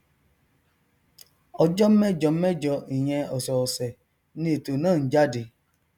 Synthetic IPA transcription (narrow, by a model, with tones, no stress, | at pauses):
ɔ˧d͡ʒɔ˦m̩˦mɛ˦d͡ʒɔ˧˦m̩˦mɛ˦d͡ʒɔ˧i˨ɲɛ̃˧ɔ˨sɔ˨sɛ˨ | nĩ˧e˨to˨nãː˦˨˦d͡ʒa˦di˧